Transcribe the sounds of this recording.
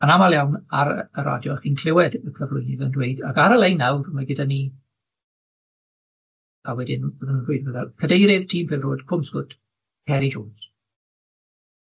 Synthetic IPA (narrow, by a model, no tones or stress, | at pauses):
anamalˠjawnaɾəəɾa̰djɔχiːnkʰl̥ɪwɛdkʰəvlʊjnɪðəndweɨdakaɾəlˠejnawrmaɡɪdaniː | awɛdɪnbɔðənəroɨdbəðakʰədejɾɪð̥tʰiːmpʰɪːlroːdkʰʊmsɡ̥ʊtʰ | hɛɾid͡ʒoːns